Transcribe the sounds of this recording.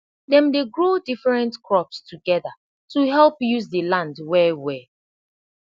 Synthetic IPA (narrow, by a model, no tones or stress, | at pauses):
dɛ̃mdeɡɹodifɹɛ̃ntkʰɹɔpstʰuɡɛða | tuɦɛlpjuzdəlãndwɛwɛ